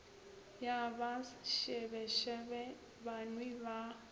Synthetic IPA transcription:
jaβaʃɛβɛʃɛβɛ | βanwiβa

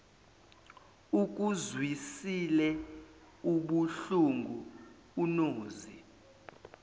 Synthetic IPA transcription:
uk̬ʼuzwisilɛ | uɓuɬuŋɡʱu | unoːzi

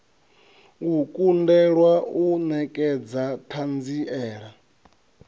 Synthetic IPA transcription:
ŋɡukʼundɛɺwaunɛkʼɛd͡zatʰand͡ziʔɛːɺa

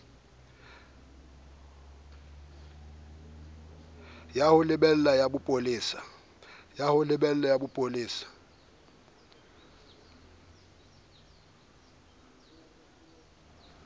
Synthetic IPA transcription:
jahʊlɪbɛl̩lajabʊpʼolɪːsḁ | jahʊlɪɓɛl̩lajabʊpʼolɪːsḁ

